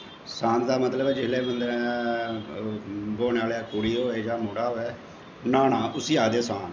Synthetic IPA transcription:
sãːnd̪aːmət̪ləbɛːd͡ʒɪleːmənd̪əɾɛ̃ | boːnːaːlaːkʊɽiːɦoːeːd͡ʒãːmʊːɽaːɦoːeː | naːnaːʔʊsiːaːd̪eːsãːn

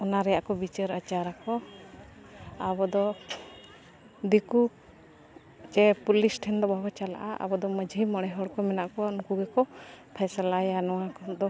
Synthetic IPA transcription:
ɔnaɾɛjaʔkɔbit͡ʃəɾət͡ʃaɾakɔ | abɔd̪ɔ | d̪iku | d͡ʒɛpulisʈʰɛnd̪ɔbʱabɔt͡ʃala̰ʔaa̰bɔd̪ɔməd͡ʒʱimɔɽɛɦɔɽkɔmɛnaʔkɔnukuɡɛkɔpʰɛsəlajanɔwakɔd̪ɔ

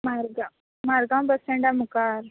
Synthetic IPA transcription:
maɾɡa | maɾɡãmbəseɳɖamukaɾ

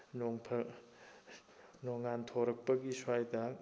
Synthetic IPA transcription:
noŋpʰɐ | noŋantʰoɾɐk̚pɐɡiswajdɐ

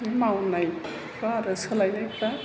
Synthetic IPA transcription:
imawnaj | paɾɯsɯlajnajpa

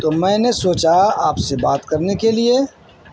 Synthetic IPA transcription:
t̪omɛ̃ːnesoːt͡ʃaaːpsebaːt̪kɐɾnekelie

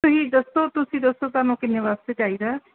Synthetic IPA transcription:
oɦiːd̪əst̪ot̪ʊsĩːd̪osoːt̪anõːkɪnːeʋaːst̪ed͡ʒaːid̪aː

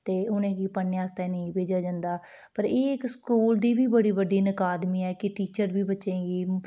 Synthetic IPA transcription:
t̪eːʊnẽːkiːpənːjaːst̪anəĩːbeːd͡ʒaːd͡ʒãːnd̪aː | pəɾeːɪkskuːld̪iːbiːbəɽiːbəɖiːnəkaːd̪miːɛːkɪʈiːt͡ʃəɾbʱiːbətːʃẽːɡiː

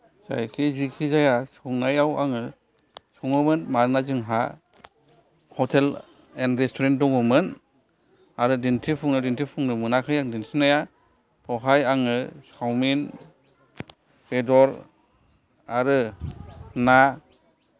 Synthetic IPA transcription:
z̥a̰jkʰizikʰizajasɔŋnajawa̰ŋɯ | sɔŋɯmɯnmaɾnazɯŋɦa | hɔtʰel | enɾestʰɔɾent̚dɔŋumɯn | aɾɯdintʰipʰuŋnadintʰipʰuŋnɯmɯnakʰɯjaŋdintʰinaja | pʰɔɦajaŋɯsawmin | bedɔɾ | aɾɯ | na

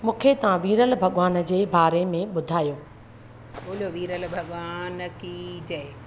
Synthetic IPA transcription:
mũːkʰet̪ɐʋãʋiːɾəlbʱɐɠʋaːn̆d͡ʑeːbaːɾemẽɓʊd̪ʱaːjoː | ɓoːlijoʋiːɾəlbʱɐɠʋaːnkid͡ʑe

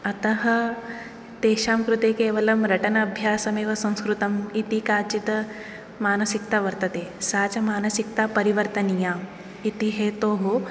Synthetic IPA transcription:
ɐt̪ɐɦɐ | t̪eːʃaːmkɾut̪eːkeːʋɐlɐmɾɐʈɐnɐɐbʱjaːsɐmeːʋɐsɐ̃w̃skɾut̪ɐmit̪ikaːt͡ʃit̪ | maːnɐsikt̪aʋɐɾt̪ɐt̪eːsaːt͡ʃɐmaːnɐsik̚t̪apɐɾiʋɐɾt̪ɐnijaː | it̪iɦeːt̪oːɦo

